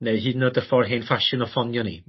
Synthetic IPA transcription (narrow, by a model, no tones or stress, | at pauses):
newɦiːdnodəfɔrɦenfaʃɪnɔfɔnjɔnḭ